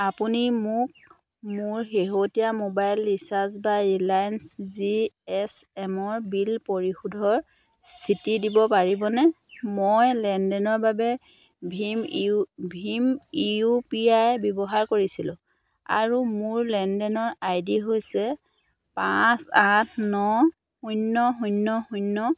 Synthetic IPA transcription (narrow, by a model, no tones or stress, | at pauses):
apunimʊk̚ | mʊɹxeɦotijamobajlːisas̬baɹilajnsziɛsɛmɔɹbilpoɹixudʱɔɹ | st̪ʰitidibɔpaɹibɔnɛ | mojlɛndɛnɔɹbabɛ | bʱmbʱimiupiajbɔbɔɦaɹkoɹisilʊ̰̃ | a̰ɹumʊɹlɛndɛnɔɹajdiɦojsɛ | pãsatʰnɔ | ujnːɔɦujnːɔhunːɔ